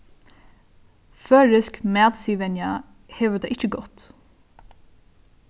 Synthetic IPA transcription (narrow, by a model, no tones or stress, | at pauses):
fœːɹɪskmæːt̪siːʋɛnja | hɛːʋəɾd̪aʔɪht͡ʃːəɡɔt̪